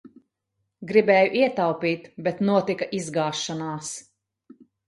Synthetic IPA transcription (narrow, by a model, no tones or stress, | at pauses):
ɡɾibɛːjuʔiɛt̪awpiːt̪bɛt̪nuɔt̪ikɐʔizɡaːʃːanaːs